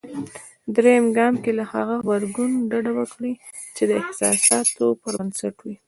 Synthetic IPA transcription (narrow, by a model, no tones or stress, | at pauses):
d̪ɾejmɡɑmkelaha̰ɣaxbaɾɡunɖaɖawəkɽi | t͡ʃed̪əɪhsɑ̰sɑt̪opəɾnsaʈwi